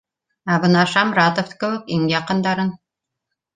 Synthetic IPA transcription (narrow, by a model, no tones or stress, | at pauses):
æβɤ̆nɑʃɑmɾɑt̪ofkɘ̆wɘkiŋjɑqɤ̆nd̪ɑɾɤn